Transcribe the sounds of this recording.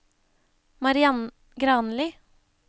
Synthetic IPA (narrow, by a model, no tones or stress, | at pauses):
mɑɾɪɑn | ɡɾɑːnliː